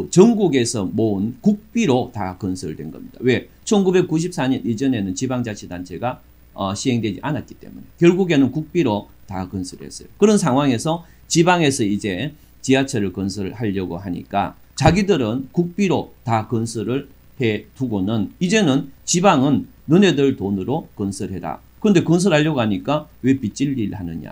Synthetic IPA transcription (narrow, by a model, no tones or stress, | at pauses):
t͡ɕʌŋɡuɡe̞sʰʌmoɯnkuk̚p͈iɾotakɯnsʰɯɯɭdwe̞̰nɡʌ̰mɲid̥a̰we̞t͡ɕʰʌnɡube̞k͈ːuɕ̬ʰip̚s͈aɲʌnid͡ʑʌne̞nɯnt͡ɕibaŋd͡ʑat͡ɕʰidant͡ɕʰe̞ɡa | ʌɕʰiɦe̞ŋdwed͡ʑiʔanat̚ki̥t͈e̞̰mune̞kjʌɭɡuɡe̞nɯnkuk̚p͈iɾo | takɯnsʰɯɾɭhe̞̰s͈ʌjokɯɾʌnsʰaŋwaŋe̞sʰʌ | t͡ɕibaŋe̞sʰʌid͡ʑe̞ | t͡ɕiat͡ɕʰʌɾɯɭkɯns̬ʰɯɭhaʎːʌɡo̰ɦaɲḭk͈a̰ | t͡ɕaɡidɯɾɯnkuk̚p͈iɾotakɯnsʰɯɾɯɭ | he̞tuɡonɯnid͡ʑe̞nɯnt͡ɕibaŋɯnː | ɯne̞dɯɭtonɯɾokɯnsʰɯɭɦe̞da̰ | kɯɾʌnde̞kɯns̬ʰɯɭhaʎːʌɡoɦaɲik͈awe̞pit͡ɕ͈iʎːiɭhanɯɲa̰